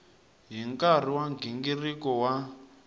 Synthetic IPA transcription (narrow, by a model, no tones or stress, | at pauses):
ɦiŋkar̤iwaŋɡʱiŋɡirikɔwa